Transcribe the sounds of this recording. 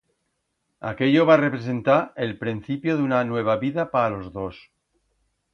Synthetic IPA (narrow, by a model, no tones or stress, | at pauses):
a̰ke̞ʎo̞βare̞pɾes̬e̞nt̪aelpɾin̟θipjoðunanwe̞β̞aβiðapaalo̞zðo̞s